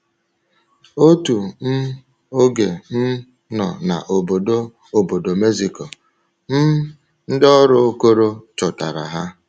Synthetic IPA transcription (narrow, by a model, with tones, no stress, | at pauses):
o˦tu˨m̩˦ | o˦ɡe˨n̩˦ | nɔ̰˨na̰˨ʔo˨bo˨do˦ | o˨bo˨do˨me˦zi˨ko˨ | m̩˦ | n̩˦dɔ˦ɾʊ˦o˦ko˦ɾo˦t͡ʃʊ˨ta̰˨ɾa̰˨ɦa˦